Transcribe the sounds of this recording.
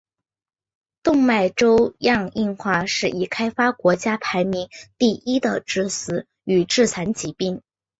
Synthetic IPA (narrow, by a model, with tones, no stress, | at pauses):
t̪ʊ˥˧ŋma˥˩ɪʈ͡ʂo˥ʊjɑ˥˧ŋi˥˧nxwa˥˧ʂɻ̩˥˩i˨˩kʰa˥ɪfa˥kwɔ˧˥t͡ɕja˥pʰa˧˥ɪmi˧˥ŋt̪i˥˩ʔi˥d̪ə˨ʈ͡ʂɻ̩˥sɹ̩˧˥ | y˨˩ʈ͡ʂɻ̩˥˩t͡sʰa˧˥nt͡ɕi˧˥pi˥˩ŋ